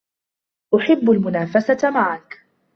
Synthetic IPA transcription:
ʔʊħɪbːalmʊnaːfasamaʕak

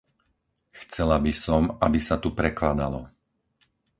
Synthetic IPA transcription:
xt͡sɛlabisɔmabisat̪upɾɛklad̪alɔ

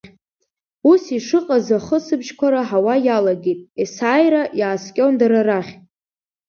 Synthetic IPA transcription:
usiʂɨqʼazaχəsɨbʒkʷʰaɾaħawajalaɡejtʼesaːjɾaʔjaːskʲʼo̞ndaɾaraχʲ

